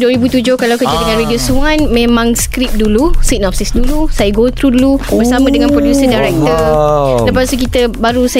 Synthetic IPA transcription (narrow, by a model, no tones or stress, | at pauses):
duwəɾibut̪ud͡ʒʊhkalawkəd͡ʒadəŋãnɾidiosuanmẽmãŋskɾip̚dulusik̚nɔp̚sisdulusajaɡot̪ɾudulubəɾsamãdəŋãnpɾodusədajɾɛk̚t̪ələpast̪uk̬it̪əbaɾusa